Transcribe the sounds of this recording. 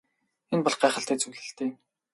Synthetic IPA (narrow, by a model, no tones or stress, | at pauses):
enpɔɮχɢæːχə̆ɬt̪eːt͡sɵwɮɘ̆ɬt̪eː